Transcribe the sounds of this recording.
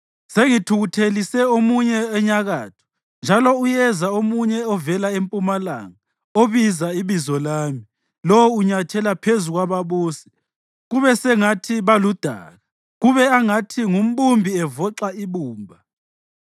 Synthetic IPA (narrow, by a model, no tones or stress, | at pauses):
seŋitʰuɣutʰelisɛomuɲɛɛɲaɣaːtʰu̥ | nd͡ʒʱalɔujɛzaomuɲɛɔvɛlaempʼumala̰ːŋa | oβizaiβizɔlaːmi | lɔwuɲatʰɛlapʰezuɣwaβaβuːsi̥ | ɣuβɛsɛŋatʰiβalud̥ʱa̰ːɣa | ɣuβɛaŋatʰiŋum̩ɓumbʱiɛvɔǁaiβuːmbʱa